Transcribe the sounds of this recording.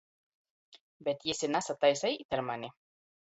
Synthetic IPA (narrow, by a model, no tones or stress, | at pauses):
bet̪iesenasat̪ajsajit̪eɾmane